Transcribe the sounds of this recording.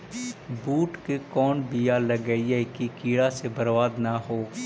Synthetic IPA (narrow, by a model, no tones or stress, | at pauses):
buːʈkekɔːnbijaləɡəiɛkikiːɽasebəɾʋaːd̪naɦoː